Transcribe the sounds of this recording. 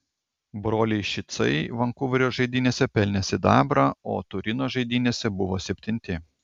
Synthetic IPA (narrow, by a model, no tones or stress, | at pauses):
bɾoːlʲɛɪʃʲɪt̪sɐ̰ɪʋɐŋkʊʋʲɪɾʲoːʒɐɪd̪ʲiːnʲeːsʲɛpʲɛlʲnʲɛsʲɪd̪ɑːbɾɑo̰ːt̪ʊɾʲɪnoːʒɐɪd̪ʲɪnʲeːsʲɛbʊʋoːsʲɛpʲt̪ʲɪnʲt̪ʲɪ